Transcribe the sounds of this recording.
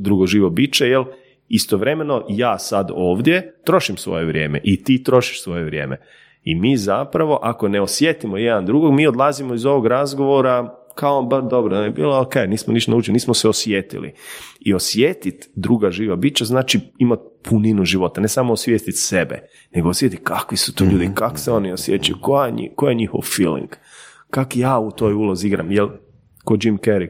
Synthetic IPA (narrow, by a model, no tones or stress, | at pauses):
d̪ɾuɡoʒiːʋobit͡ʃejel | ist̪oʋɾe̞me̞no̞jaːsad̪oːʋd̪je̞t̪ɾo̞ʃimsʋo̰jeʋɾjeːmeʔit̪iːt̪ɾo̞ʃi̥ʃsʋo̞jeʋɾʲjeːmʔe | imiːzapɾaʋo̞ʔako̞ne̞osjet̪imo̞jed̪and̪ɾuɡoɡmiːo̞d̪lˠazimoizo̞ʋo̞ɡɾazɡo̞ʋoɾa | kaobaɾd̪o̞bɾoaebḭːlookejniːsmoniʃt̪onaut͡ʃiliniːsmoseosʋjet̪ḭlḭiosjet̪it̪d̪ɾuːɡaʒiːʋabiːt͡ʃaznaːt͡ʃiimat̪̚pʰuninuʒiʋo̞t̪anesamoosʋjeːst̪it̪sebḛ | ne̞ɡoosʋje̞t̪it̪kakʋisu̥t̪oːʎuːd̪ikako̥seo̞niosjet͡ʃajṵkojaɲḭkojeɲixo̰ʋfiːlḭŋɡ | kakjaːut̪o̞ːjuloziiɡɾa̰mjel | kod͡ʒimkeɾi